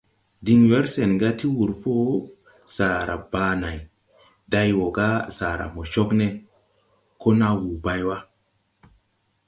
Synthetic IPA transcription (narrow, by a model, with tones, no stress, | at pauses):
di˧ŋwe˦ɾse˨nɡa˦ti˦wu˨ɾpo˦ | sa˨ɾa̰˨baː˧na˨j | da˧jwo˨ɡa˦sa˨ɾa̰˨mo˨t͡ʃo˦kne˦ | ko˦na˦wu˨ba˦jwa˦